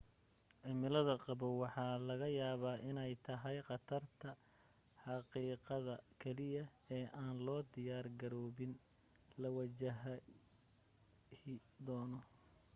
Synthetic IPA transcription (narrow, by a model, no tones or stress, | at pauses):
ʕɪmɪlɐðɐqɑβɔwɑħɑːlɐɣɐjaːβaːʔɪnɛjt̪ʰɐɦɛjqɑt̪ʰɐrt̪ʰɐ | ħɑqiːqɑðɐkʰɛlɪjɐɛːʔaːnlɔːd̪ɪjaːrɡɐɾɔːβɪn | lɐwɐt͡ʃɐɦɐ | hɪd̪ɔːnɔ